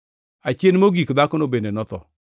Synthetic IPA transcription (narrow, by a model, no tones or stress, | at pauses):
at͡ʃenmoɡikʊdakʊnobendenɔt̪ɔ̰